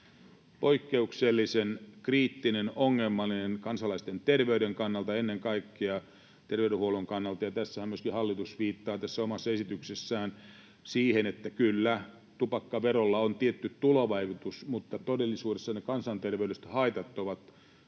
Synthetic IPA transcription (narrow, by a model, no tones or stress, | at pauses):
poikːeukselːisenkriːt̪ːinenoŋːelmːɑlːinenkɑnsɑlɑist̪ent̪erʋeyɾeŋkɑnːɑlt̪ɑenːeŋkɑikːiɑ | t̪erʋeyɾehuoluŋkɑnːɑlt̪ɑjɑt̪æsːæhæmmyøskihɑlːit̪usʋiːt̪ːɑːt̪æsːæomɑsːɑesit̪yksesːæːn | siːhenet̪ːækylːæ | t̪upɑkːɑʋerolːɑont̪iet̪ːyt̪tuloʋɑikut̪usmut̪ːɑt̪odelːisuːdesːɑnekɑnsɑnt̪erʋeydest̪hɑit̪ɑt̪ːoʋɑt̪